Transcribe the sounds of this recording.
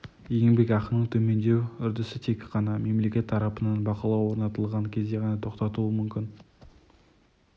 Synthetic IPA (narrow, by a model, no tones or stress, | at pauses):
je̞ŋbe̞kʲɑqənəɴt̪ʰɵme̞nd̪e̞wʏɾd̪ɪsɪt̪ʰe̞kʲqːɑnɑme̞mle̞kʲe̞t̪ʰːɑɾɑpənɑnbɑqɑlˠɑwo̞ɾnɑt̪əlˠʁɑŋkʲʰe̞zd̪e̞ʁɑnɑt̪ʰoqt̪ɑt̪uəmʏmkʲɪn